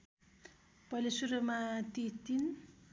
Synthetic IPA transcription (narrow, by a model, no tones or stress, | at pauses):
pʌjlesuɾʌmat̪it̪in